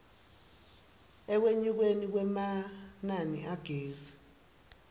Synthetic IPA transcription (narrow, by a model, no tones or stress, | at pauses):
ɛk̬weɲuk̬wenik̬wɛmananiaɡ̥ʱeːza